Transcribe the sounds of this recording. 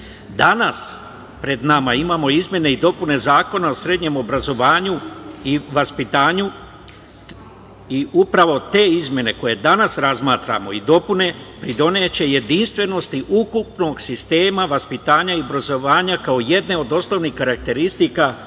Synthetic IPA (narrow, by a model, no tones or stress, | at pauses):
d̪anas | pɾe̞d̪namaimaːmo̞izmʲje̞ne̞id̪o̞pune̞zaːko̞nao̞sɾe̞d̪ɲe̞mo̞bɾazo̞ʋaːɲuiʋaspit̪aːɲu | iupɾaʋo̞t̪e̞ːizmʲje̞ne̞ko̞je̞d̪anasɾazmaːt̪ɾa̰mo̞̰id̪o̞pune̞pɾid̪o̞neːt͡ɕe̞je̞d̪inst̪ʋe̞no̞st̪iʔukupno̞ɡsist̪e̞ːmaʋaspit̪aːɲaio̞bɾazo̞ʋaːɲakao̞je̞d̪ne̞o̞d̪o̞sno̞ʋnixkaɾak̚t̪e̞ɾist̪ika